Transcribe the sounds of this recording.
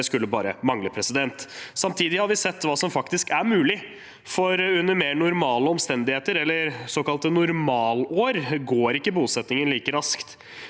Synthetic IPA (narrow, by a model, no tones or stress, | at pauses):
skʉlːəbɑ̰ːɾə̰mɑŋləpʰɾɛsɪd̪ɛnt̪sɑmt̪ʰiːd̪ɪhɑɾʋɪsɛt̪ːʋɑːsɔmfɑkt̪ɪskæɾmʉːlɪ | fɔɾʉnːəɾmeːɾnʊɾmɑːləɔmst̪ɛnd̪ɪheːt̪əɾɛlːəɾsoːkɑlt̪ənʊɾmɑːloːɾɡoːɾɪkːəbuːsɛt̪nɪŋənliːkəɾɑskt̪